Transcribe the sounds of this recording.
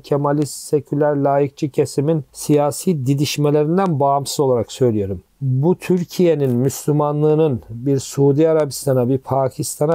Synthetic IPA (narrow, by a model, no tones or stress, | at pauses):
cʰemalʲissecʰylʲæɾlʲaːjik̚t͡ʃʰicʰe̞siminsijaːsiːd̪id̪iʃme̞lʲe̞ɾind̪ænbamsɯzo̞lˠaɾaksø̞jlʲijo̞ɾum | but̪ʰyɾcʰije̞ninmyslʲymanlˠɯːnɯnbiɾsuːd̪iaɾabist̪ʰanabipʰaːcʰist̪ʰana